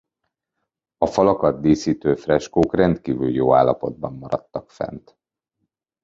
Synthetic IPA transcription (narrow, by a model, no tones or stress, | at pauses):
ɒfɒlɒkɒd̪d̪eːsiːt̪øːfrɛʃkoːkrɛnt̪kiːvyljoːa̰ːlːɒpo̞d̪̚bɒmːɒɾɒt̪ːɒkfɛ̰nt̪